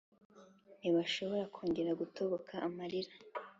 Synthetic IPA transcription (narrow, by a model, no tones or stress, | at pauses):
niβaʃo̞βo̞ɾakʰoːɲɟeɾaɡutʰoβokʰaʔamaɾiɾa